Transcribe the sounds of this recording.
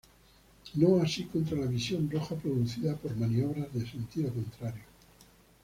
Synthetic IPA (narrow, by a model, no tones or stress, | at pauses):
noasikont̪ɾalaβisjo̞nroxapɾoðuθiðapoɾmanio̞βɾazðese̞nt̪iɾokont̪ɾaɾjo